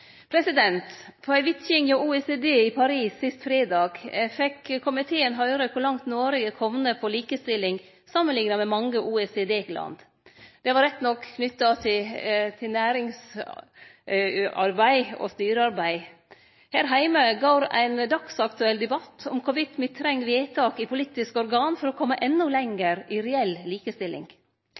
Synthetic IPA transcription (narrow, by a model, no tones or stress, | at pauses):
pʰɾɛsɪd̪ɛnt̪pʰɔæɪʋɪt̪çɪŋjouːeːseːd̪eːipʰɑɾiːsːɪst̪fɾeːd̪ɑːɡfɛkːkʰːʊmɪt̪ʰeːənɦœʏɾəkʰɔlɑŋt̪noːɾɪɡəkʰɔmnəpʰɔliːkəst̪ɪlːɪŋ | sɑmənlɪŋnɑmɛmɑŋːəʔuːɛsed̪eːlɑ̰nd̪ | d̪̥ɛʋɑɾɛt̪ːnɔkʰːnʏt̪ːɑt̪ʰɪt̪ʰɪlnæːɾɪŋs | ɑ̰ɾbæɪɔ̰st̪yːɾəɑɾbæɪ | hæːɾɦæɪməɡɑːɾæ̰ɪnd̪ɑksɑkt̪ʉɛld̪ɛbɑt̪ːɔ̰mkʰʊʋɪt̪mɪt̪ʰɾɛŋːʋeːt̪ʰɑːkɪpʰʊliːt̪ɪskəɔɾɡɑːnfɔɾɔkʰɔmːəʔɛnːʊlɛŋəɾɪɾɛɛlliːkəst̪ɪlɪ̰ŋ